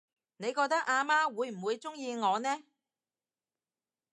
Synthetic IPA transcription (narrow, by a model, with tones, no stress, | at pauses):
ne˨˧jkɔː˧k̚t̪ɐ˥k̚ʔaː˧maː˥wuː˨˧jm̩˨˩wuː˨˧jt͡sʊ˥ŋjiː˧ŋɔː˨˧nɛː˥